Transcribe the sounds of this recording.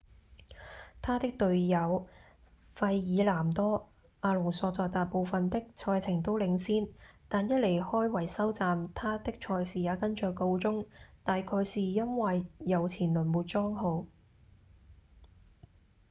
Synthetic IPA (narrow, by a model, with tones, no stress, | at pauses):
t̪ʰaː˥t̪ɪ˥k̚t̪ɵ˨˧ɥjɐ˨˧w | fɐ˧jːiː˨˧laː˨˩mt̪ɔː˥ | ʔaː˧lʊ˨˩ŋsɔː˧t͡sɔː˧t̪aː˨j̚po˨˧wfɐ˨nt̪ɪ˥k̚t͡sʰɔː˧jt͡sʰɪ˨˩ŋt̪o˥wlɪ˨˧ŋsiː˥nt̪aː˨njɐ˥t̚le˨˩jhɔː˥jwɐ˨˩jsɐ˥wt͡saː˨mt̪ʰaː˥t̪ɪ˥k̚t͡ʃʰɔː˧jsiː˨˩jaː˨˧kɐ˥nt͡ʃœː˧kko˧wt͡sʊ˥ŋt̪aː˨jkʰɔː˧jsiː˨˩jɐ˥nwɐ˨jːɐ˨˧wt͡sʰiː˨˩nlɵ˨˩nmuː˨˧t̚t͡sɔː˥ŋɦo˨˧w